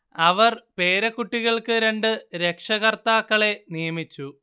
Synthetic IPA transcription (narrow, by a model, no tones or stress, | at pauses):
ɐʋɐrpe̞ːɾɐkːuʈːiɣɐɭkɨɾe̞ɳɖɨɾe̞kʂɐɣɐrt̪aːkːɐɭe̞nijɐmit͡ɕːu